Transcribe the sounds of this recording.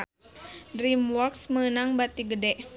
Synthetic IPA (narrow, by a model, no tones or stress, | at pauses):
dɾimwɔksməənaŋbat̪iɡədɛʔ